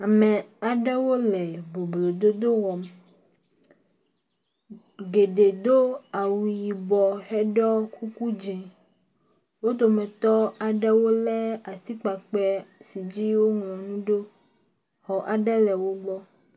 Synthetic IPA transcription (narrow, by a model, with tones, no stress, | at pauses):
a˨mɛ̃˨a˨ɖɛ˦wo˦lɛ˨bo˨blo˨d̪o˦d̪o˦wɔ˨m | ɡe˨ɖe˨d̪o˦a˨wu˨ji˨bɔ˨hɛ˦ɖɔ˦ku˦ku˦d͡ʒɛ̃˨ | wo˦t̪o˨mɛ̃˨t̪ɔ˦a˨ɖɛ˦wo˦lɛ˦a˨t̪i˦k͡pa˨k͡pɛ˦si˨d͡ʑi˦wo˦ŋlɔ̃˨nũ˦ɖo˦ | xɔ˨ʔa˨ɖɛ˦lɛ˨wo˦ɡ͡bɔ˦